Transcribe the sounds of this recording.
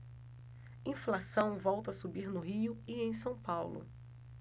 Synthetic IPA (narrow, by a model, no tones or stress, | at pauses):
ĩflasɐ̃w̃vɔwt̪ɐasubiɾnʊɦiʊɪẽj̃sɐ̃w̃pawlʊ̰